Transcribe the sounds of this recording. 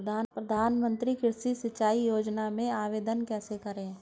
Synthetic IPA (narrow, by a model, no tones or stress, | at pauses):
d̪apɾəd̪ʱaːnmə̃nt̪ɾikɪɾsisɪt͡ʃaːijoːd͡ʒnamẽaːʋeːd̪ənkɛːsekəɾẽː